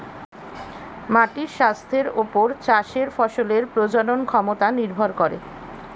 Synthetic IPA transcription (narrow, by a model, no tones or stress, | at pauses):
maʈiɾʃast̪ʰeɾopoɾt͡ɕaʃeɾfɔʃoleɾpɾod͡ʑononkʰɔmot̪aniɾbʱoɾkoɾḛ